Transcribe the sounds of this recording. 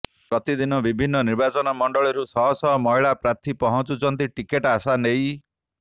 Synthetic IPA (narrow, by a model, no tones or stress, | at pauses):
pɾɔt̪id̪inɔbibʱinːɔniɾbat͡ʃɔnamɔɳɖɔɭɔɾusɔɦɔsɔɦɔmɔɦiɭapɾat̪ʰipɔɦɔnt͡ʃut͡ʃɔnt̪̬iʈikeʈasanej